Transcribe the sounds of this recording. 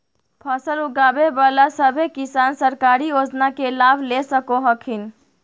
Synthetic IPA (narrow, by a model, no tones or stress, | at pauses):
pʰəsəluɡaːbebalasəbʱekisaːnsəɾkaɾijod͡ʒnakelabʱlesəkoɦəkʰin